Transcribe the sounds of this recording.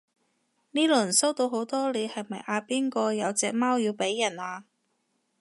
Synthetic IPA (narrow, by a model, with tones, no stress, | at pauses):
niː˥lɵ˨˩so˥wt̪o˧wɦo˨˥wt̪ɔː˥le˨˧hɐ˨jmɐ˨jʔaː˧piː˥nkɔː˧jɐ˨˧wt͡sɛː˨˧k̚maː˥wjiː˧wpe˨˥jːɐ˨˩naː˨˧